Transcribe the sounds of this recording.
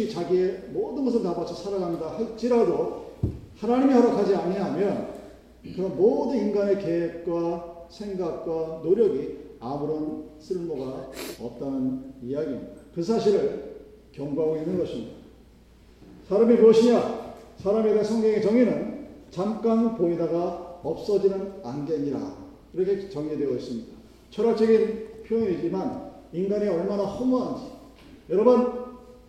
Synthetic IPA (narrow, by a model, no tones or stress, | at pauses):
it͡ɕaɡie̞modɯnɡʌs̬ʰɯɭtapat͡ɕʰosʰaɾaɡandahaɭt͡ɕ͈iɾado | hanaɲimiɦaɾakʰad͡ʑianiɦamjʌn | kɯɾʌnmodɯninɡane̞kewek̚k͈wasʰe̞ŋɡak̚k͈wanoɾjʌɡiamuɾʌnsʰɯɭmoɡaʌ̰p̚t͈anɯnijaɡimid̥akɯsʰaɕʰiɾɯɭ | kjʌŋɡaɡoinːɯnɡʌɕʰimɲida | sʰaɾamipoɕʰiɲasʰaɾamiɡesʰʌŋɡʌŋet͡ɕʌŋinɯnt͡ɕamk͈anpoidaɡaʌp̚s͈ʌd͡ʑinɯnanɡe̞ɲiɾa̰ | iɾʌkʰet͡ɕʌŋɲedweʌis͈ɯmɲid̥a | t͡ɕʰʌɾak̚t͡ɕʰʌɡinpʰjoɲid͡ʑimaninɡaniʌɭmanahʌmoɦand͡ʑi | jʌɾʌbʌn